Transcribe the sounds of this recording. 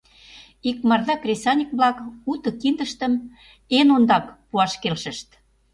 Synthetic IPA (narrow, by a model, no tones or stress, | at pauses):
ik̚mɑrðɑkrʲesɑnʲikβlɑkut̪ɤ̆kind̪ə̆ʃt̪ə̆m | enond̪ɑkpuɑʃkelʃə̆ʃt̪